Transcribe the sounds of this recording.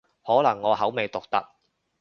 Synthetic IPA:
hɔː˨˥lɐ˨˩ŋːɔː˨˧ɦɐ˨˥wme˨˧jt̪ʊ˨k̚t̪ɐ̰˨k̚

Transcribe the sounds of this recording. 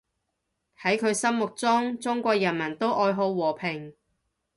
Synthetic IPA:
hɐ˨˥jkʰɵ˨˧ɥsɐ˥mmʊ˨k̚t͡sʊ˥ŋt͡sʊ˥ŋkʷɔː˧k̚jɐ˨˩nmɐ˨˩nt̪o˥wʔɔː˧jɦo˨˥wwɔː˨˩pʰɪ˨˩ŋ

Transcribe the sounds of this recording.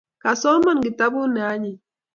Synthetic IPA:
ka˨sɔ˦ma˦nɡɪ˨ta˦bʊ˦nɛ˨a˨˦ɲɪ˨

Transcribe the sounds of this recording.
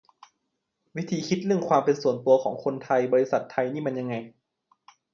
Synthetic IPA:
wi˦˥t̪ʰiː˨˧˦kʰi˧˦˥t̪̚lɯ˥˩əŋkʰwaː˧mpe˧nsu˨˩ənt̪u˧ɐkʰɔː˩˦ŋkʰo˧nt̪ʰa˧jbɔː˧li˧˥sa˧˩˦t̪ʰːa˧jniː˥˨ma˧nɲa˧ŋa˧j

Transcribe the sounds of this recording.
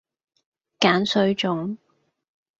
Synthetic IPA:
kaː˨˥nsɵ˧ɥt͡ʃʊ˨˥ŋ

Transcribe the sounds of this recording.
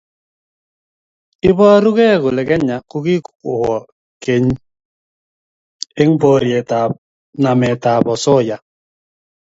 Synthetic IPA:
ɪ˦bɔ˦ɾu˦ɣɛ˦˨ɣʊ˨lɛ˨kɛ˦ɲa˨ku˦ki˦kʊ˨hɔ˨ | ke˨ɲ˦ | e˦ŋ̩˦bo˦ɾi˨ɛ˨ta˨p̚ | na˨mɛ˨ta˨bɔ˨sɔ˦˨ja˨

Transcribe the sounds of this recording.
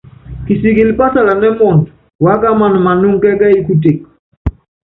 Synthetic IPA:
ki˨si˨ki˨lpa˦sa˨la˨nɛ˦mɔ˨nt | wa˦ka˦ma˨n˨ma˨nu˦ŋkɛ˦ka˦i˦ku˦te˨k̚

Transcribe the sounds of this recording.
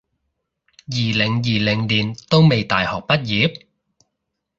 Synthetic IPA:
jiː˨˩lɪ˨˩ŋjiː˨˩lɪ˨˩ŋliː˨˩nt̪o˥wme˨jt̪a̰ː˨jhɔː˨k̚pɐ˥t̚jiː˨˥p̚

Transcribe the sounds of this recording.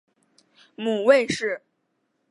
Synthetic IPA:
mu˨˩we˥˧ɪʂɻ̩˥˩

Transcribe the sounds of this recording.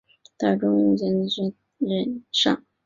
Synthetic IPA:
t̪a˥˩ʈ͡ʂʊ˥ŋi˥ŋt͡ɕjɛ˥n˧ʂ | ɻə˥nʂɑ̰˥˩ŋ

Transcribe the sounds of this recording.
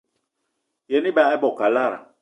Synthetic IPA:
jɛ˨ni˦ba˨a˦bɔ˨ka˨la˦ɾa̰˨

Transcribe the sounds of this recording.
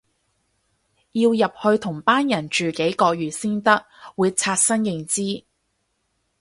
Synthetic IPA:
jiː˧wjɐ˨p̚hɵ˧ɥt̪ʰʊ˨˩ŋpaː˥njɐ˨˩nt͡ʃyː˨ke˨˥jkɔː˧k̚jyː˨˩siː˥nt̪ɐ˥k̚wuː˨˧jt͡sʰaː˧t̚sɐ˥ŋjɪ˨ŋt͡siː˥

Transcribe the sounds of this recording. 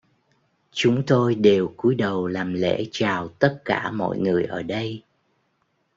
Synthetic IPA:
t͡ɕʊ˨˦ŋ͡mt̪o˧jɗe˨˩wku˨˦jɗə˨˩wlaː˨˩mlḛ˧˥t͡ɕaː˨˩wt̪ə˦˥t̚ka̰ː˧˩mɔ̰˧˨jŋɨ˨˩əjʔəː˧˩ɗə˧j

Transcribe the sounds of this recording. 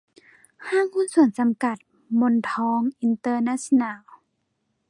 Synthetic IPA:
haː˧˥˨ŋkʰu˧˥˨nsu˨˩ənsa˨˦mka˧˩t̪̚ | mo˧˨nt̪ʰɔː˧˥ŋʔi˧nt̪ɤː˧naː˧˥snaː˧˩˨w

